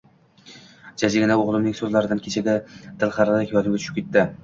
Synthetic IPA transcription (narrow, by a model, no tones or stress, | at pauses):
d͡ʒad͡ʒaɡʲɪnaoʁlˠɪmnɪŋʲsɵzlaɾɪd̪ankʲʰe̞t͡ʃʰaɡʲad̪̥ʰɪlˠχɑɾalɪkʲjɒd̪ɪmɡʲat͡ʃʰʊ̥ʃɪ̥pkʲʰe̞t̪ʰːɪ